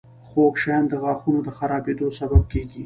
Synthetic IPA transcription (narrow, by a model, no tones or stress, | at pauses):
xokʃɑjɑnd̪əɣɑxunod̪əxaɾɑbed̪osabab̚keɡi